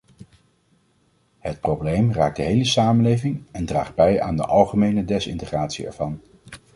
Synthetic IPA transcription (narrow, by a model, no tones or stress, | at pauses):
ɦət̚prowblejmraːk̚d̥əɦejləsaːmənlejvɪŋɛndra̰ːχd̚bɛja̰ːndə̰ʔɑlˠχəmejnədɛsɪ̰ntəχraːtsiɛ̰ɹv̥ɑn